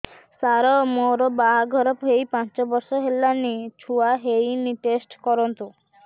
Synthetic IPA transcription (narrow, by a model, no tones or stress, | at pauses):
saɾɔmoɾɔbaɦaɡʱɔɾɔpɦejpãnt͡ʃɔbɔɾsɔɦelːanit͡ʃʰuaɦejniʈesʈkɔɾɔnt̪u